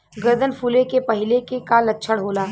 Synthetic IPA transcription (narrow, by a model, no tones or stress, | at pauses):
ɡəɾd̪ənpʰuːlekepɐɦɪlekekalɐtːʃʰəɽɦoːlaː